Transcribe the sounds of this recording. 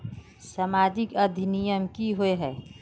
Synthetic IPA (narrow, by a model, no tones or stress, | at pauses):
sɐmaːd͡ʒɪkɐd̪ʱinijəmkiɦoeɦɛː